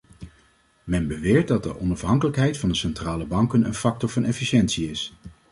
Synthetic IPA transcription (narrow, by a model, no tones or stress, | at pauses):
mɛnbəʋɪːɹt̚dɑt̚dəʔɔnɑfɦɑŋkələkɦɛjtfɑndəsɛntraːləbɑŋkənə̰nfɑk̚tɔɹvɑnɛfiʃɛntsiɪs